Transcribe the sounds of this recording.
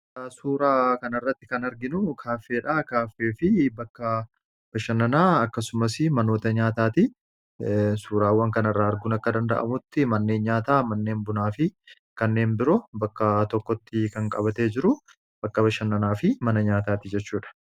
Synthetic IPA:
suːɾaːkɐnɐrːɐt̪ːɪkɐnɐɾɡɪnʊkʰaːfe̞ːᶑaːkaːfːe̞ːfɪbɐkːɐ | b̥ɐʃɐnːɐnaːɐkːɐsʊmɐsɪmɐno̞ːt̪ɐɲaːt̪aːt̪ɪ | suːɾaːwːɐŋkɐnɐrːaːɐɾɡʊnɐkːɐd̪ɐnd̪ɐ̰ʔɐ̰mʊt̪ːɪmɐnːe̞ːnɲaːt̪aːmɐnːe̞ːnbʊnaːfɪ | kɐnːe̞ːnbɪɾɔbɐkːɐt̪ɔkːɔt̪ːɪkɐŋkʼɐβɐt̪ed͡ʒɪɾʊ | b̥ɐkːɐbɐʃɐnːɐnaːfɪmɐnɐɲaːt̪aːt̪ɪd͡ʒɛt͡ʃːuːᶑɐ̥

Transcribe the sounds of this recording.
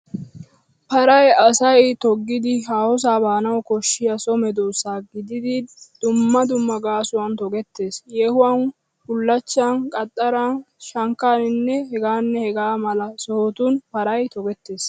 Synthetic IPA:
pɐɾɐjɐsɐjt̪ɔɡːɪd̪ɪɦaːhɔs̬aːbaːnɐwkɔʃːɪjɐsɔmɛd̪oːsaːɡɪd̪ɪd̪ɪd̪̥ʊmːɐd̪ʊmːɐɡaːsʊwɐnt̪ɔɡɛt̪ːe̞ːsjɛhʊwan | hʊlːɐt͡ʃːankʼɐt̪ʼːɐɾan | ʃɐŋkːaːnɪnːɛhɛɡaːnːɛhɛɡaːmɐlɐsɔhɔt̪ʊnpɐɾɐjt̪ɔɡɛt̪ːe̞ːs

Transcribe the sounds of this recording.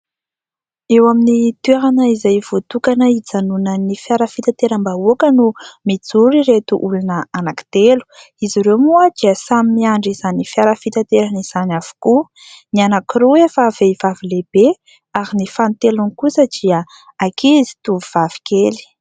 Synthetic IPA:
ewaminit̪eɾanəizajvot̪ukanəid͡zanunənifjaɾəfit̪at̪eɾəmbaokənumid͡zuɾiɾet̪uʔulunəanaki̥t̪elu̥ | iziɾewmuəd̪̥iəsamimiaɳɖ͡ʐizanifjaɾəfit̪at̪eɾaniz̥anav̥u̥ku | nianakiɾoefaveivavileb̥e | aɾinifant̪elunikusəd̪̥iə | akizi̥t̪uvuv̥av̥i̥keli̥

